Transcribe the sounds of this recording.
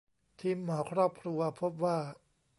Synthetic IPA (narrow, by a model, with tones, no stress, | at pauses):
t̪ʰiː˧mːɔː˩˦kʰɾɔː˥˩p̚kʰɾu˧ɐpʰo˦˥p̚waː˥˩